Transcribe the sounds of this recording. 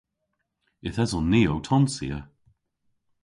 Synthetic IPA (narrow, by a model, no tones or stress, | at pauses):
ɪθɛzɔnːiːowtʰɔnsḭə